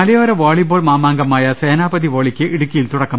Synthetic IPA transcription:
ɐlɐjoːɾɐʋaːɭiboːɭmaːmaːŋɡɐmaːjɐseːnaːbɐðiʋoːɭikʲːɨʔiɽukʲːɐjilt̪uɽɐkːɐ

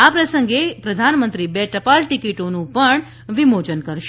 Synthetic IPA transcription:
apɾəsəŋɡepɾəd̪ʱanmənt̪ɾibɛʈəpalʈikiʈonũpəɳ | ʋimod͡ʒənkəɾʃ

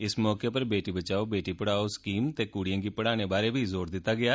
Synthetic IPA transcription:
ɪsmɔːkeːpəɾbeːʈiːbət͡ʃaːoːbeːʈiːpəɽaːoskiːmt̪eːkuːɽijə̃ːŋɡiːpəɽaːñeːbaːɾeːbʱiːzoːɾd̪ɪt̪ːaːɡɪaː

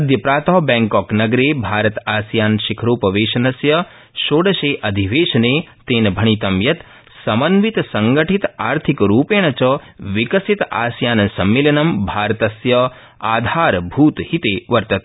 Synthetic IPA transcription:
ɐd̪jɐpɾaːt̪ɔːbɛ̃ːŋkɔːknɐɡɾeːbʱaːɾɐt̪aːsjaːnʃikʰɾoːpɐʋeːʃɐnɐsjɐ | ʃoːɽɐʃeːʔɐd̪ʱiʋeːʃɐneːt̪eːnbʱɐɳ̃it̪ɐmjɐt̪ | sɐmɐnʋit̪sɐŋɡɐʈʰit̪aːɾt̪ʰikɾuːpeːɳ̃ɐt͡ʃɐʋikɐsit̪a̰ːsjaːnɐsɐmːilɐnɐmbʱaːɾt̪ɐsjɐ | aːd̪ʱaːɾbʱuːt̪hit̪eːʋɐɾt̪ɐt̪

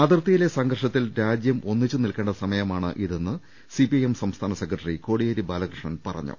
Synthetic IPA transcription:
ɐd̪irt̪ːijile̞sɐŋɡɐrʂɐt̪ːilɾaːd͡ʑjɐmo̞nːit͡ɕːɨnilkeːɳɖɐsɐmɐjɐmaːɳɨ̰ʔiðe̞nːɨ | sipiɐjemsɐmst̪ʰaːnɐsekːrɐʈːɐriko̞ːɽijeɾibaːlɐkrɨʂɳɐnpɐrɐ̰ɲːṵ

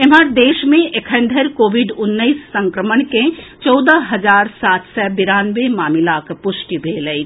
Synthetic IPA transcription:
emaɾd̪eːʃmẽʔekʰə̃nd̪ʱəɾkoːʋɪɖʊnːəisːɐ̃ŋkɾəməɳkẽt͡ʃɔːd̪əɦɐzaːɾsaːt̪ʰsɛbɪɾaːnʋemaːmɪlaːkpʊʃʈibʱeːləi

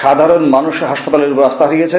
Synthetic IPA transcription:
ʃad̪ʱaɾonmanuʃɦaʃpat̪aleɾupoɾast̪aɦoɾijet͡ɕʰe

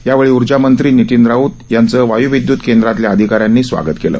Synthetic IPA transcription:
jaʋeɭiːuɾd͡ʑamənt̪ɾiːnit̪ind̪ɾaut̪jant͡səːʋajuʋid̪juːt̪kend̪ɾat̪ljaəd̪ʱikaɾjanːiːsʋa̰ɡət̪kelə̰ː

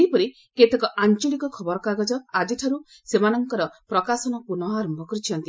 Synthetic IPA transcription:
eipɔɾi | ket̪ɔkɔʔant͡ʃɔɭikɔkʰɔbɔɾɔkaɡɔd͡ʒɔad͡ʒeʈʰaɾu | semanɔŋkɔɾɔpɾɔkasɔnɔpunɔaɾɔmbʱɔkɔɾit͡ʃʰɔnt̪i

